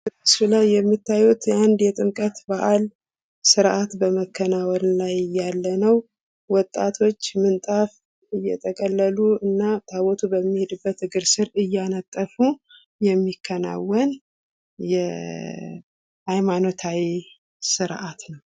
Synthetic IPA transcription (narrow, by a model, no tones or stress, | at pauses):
ɨsulajːɛmːit̪ːajut̪jand̪jɛt̪ʼɨmkʼət̪baʔal | sɨɾʔat̪bəməkʰːənawɔnlajːalːənəw | wɔt̪ʼːat̪ʰo̞t͡ʃːmɨnt̪ʼaf | ɨjːɛ̰t̪ʰəkʼəlːəluɨnːat̪ʰawɔt̪ʰubəmːihed̪ɨbːət̪ɨɡɨɾsɨɾɨjːanət̪ʼːəfu | jɛmːikʰːəna̰wːən | jɛ̰ | hajmano̞t̪ʰawi | sɨɾʔat̪nəw